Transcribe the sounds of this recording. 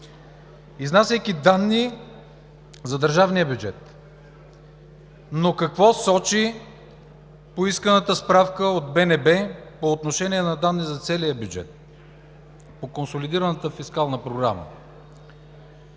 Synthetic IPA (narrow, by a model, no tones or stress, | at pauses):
iznasɛjkid̪anːi | zɐd̪əɾʒavniəbjud͡ʒɛt̪ | nokɐkvɔsɔt͡ʃi | poiskənət̪əspɾafkəod̪̚bɛnɛbɛpoːt̪noʃɛniɛnɐd̪anːizɐt̪sɛlijəbjud͡ʒɛ̰t̪̚ | pokonsolid̪iɾɐnət̪əfiskalˠnəpɾoɡɾamə̰